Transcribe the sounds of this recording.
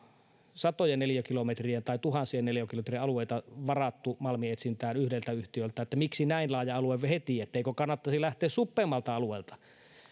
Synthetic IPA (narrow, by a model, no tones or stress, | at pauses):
sɑt̪ojenneljækilomet̪rient̪ɑit̪uhɑnsienneljækilomet̪rieɑlueˑit̪ɑʋɑrɑt̪ːumɑlmiet̪sint̪æːnyhdelt̪æyht̪iølt̪æet̪ːæmiksinæinlɑːjɑɑlueʋehet̪iet̪ːæeˑikøkɑnːɑt̪ːɑsilæht̪ˑeːssupːemːɑlt̪ɑɑlueːˑlt̪ɑ̥